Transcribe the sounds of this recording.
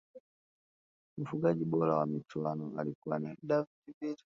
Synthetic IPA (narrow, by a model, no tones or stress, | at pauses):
m̩fuɡaɟiɓɔlawamit͡ʃuanɔalikuwanadavitiviɾi